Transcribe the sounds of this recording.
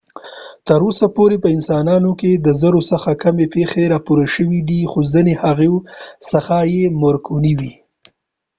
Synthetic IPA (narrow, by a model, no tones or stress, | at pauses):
t̪əɾosapoɾepəɪnsɑnɑnoked̪əzəɾosəxakamepexeɾɑpuɾaʃəwid̪ixozənehaɣewsəxajeməɾkʰuniwi